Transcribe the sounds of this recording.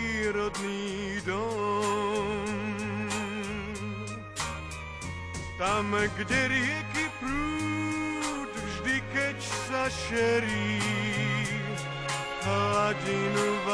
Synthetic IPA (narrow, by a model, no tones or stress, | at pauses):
ɾɔd̪niːd̪ɔ | m | t̪amɡɟɛɾɪɛkipɾuː | t̪vʒd̪ikɛcsaʃɛɾiː | ɦlaɟinuva